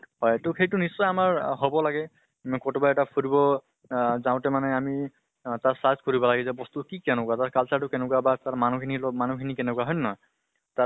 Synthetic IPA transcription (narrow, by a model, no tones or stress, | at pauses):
hɔjtʊxejtʊnisːɔjamaɹɦobɔlaɡɛ | kɔtobaɛtapʰoɹibɔ | zaʊ̃tɛmanɛami | taɹsazkɔɹibɔlaɡizɛbɔstukikanʊkwataɹkalsatʊkɛnɛkuabataɹmanukʰinilɔmanukʰinikɛnɛkwaɦɔjnːɔ | ta